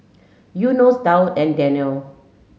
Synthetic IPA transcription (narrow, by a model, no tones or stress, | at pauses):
junosdawtɛ̃ndɛ̃niəl